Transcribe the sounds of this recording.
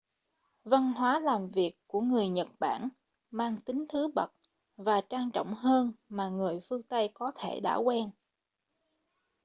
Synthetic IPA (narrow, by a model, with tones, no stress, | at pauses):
va˧nɦwaː˨˦laː˨˩mvi˨˩əkːu˧˩əŋɨ˨˩əjɲə˨˩t̚ɓa̰ː˧˩n | maː˧ŋt̪ï˨˦ŋ̟t̪ʰɨ˨˦ɓə˨˩t̚ | vaː˨˩t͡ɕaː˧ŋt͡ɕɔ̰˧˨wŋ͡mhəː˧nmaː˨˩ŋɨ˨˩əjfɨ˧əŋt̪ə˧jkɔ˨˦t̪ʰe˧˩ɗa̰ː˧˥˩kwɛ˧n